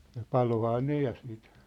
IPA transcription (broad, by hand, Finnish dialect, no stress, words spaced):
jɑ pɑlohɑː ne jɑ siːt